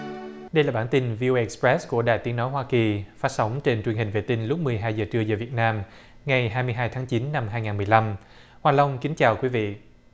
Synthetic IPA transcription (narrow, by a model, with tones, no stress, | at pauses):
ɗə˧jlaː˨˩ɓaː˧˩nt̪i˧nvi˧o˧ʔe˧ʔɛ˨˩spɹɛ˦˥sku˧˩əɗa̰ː˧˨jt̪i˨˦əno˨˦jɦwaː˧ki˨˩faː˦˥t̚sa˨˦wŋ͡mt͡ɕe˧nt͡ɕwi˨˩ənhï˨˩ŋ̟vḛ˧˨˩t̪ï˧ŋ̟lʊ˦˥k͡p̚mɨ˨˩əjɦaː˧jzəː˨˩t͡ɕɨ˧əzəː˨˩vi˨˩ət̚naː˧m | ŋa˨˩jɦaː˧jmɨ˧ɦaː˧jt̪ʰaː˨˦ŋt͡ɕi˨˦nːa˧mɦaː˧jŋaː˨˩nmɨ˨˩əjla˧m | hwaː˨˩lə˧wŋ͡mki˨˦ŋt͡ɕaː˨˩wkwi˨˦vḭ˧˨